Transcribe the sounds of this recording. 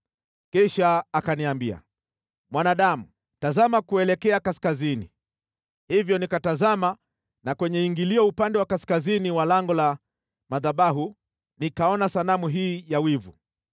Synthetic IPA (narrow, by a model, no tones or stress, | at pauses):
kiʃaːkaniambia̰ | mwanaɗamu | tazamakuɛlɛkɛakaskazini | hivjɔnikatazama | nakwɛɲɛiŋɡiliɔupandɛwakaskaziniwalaŋɡɔla | maðaɓaɦu | nikaɔnasanamuɦiːjawivu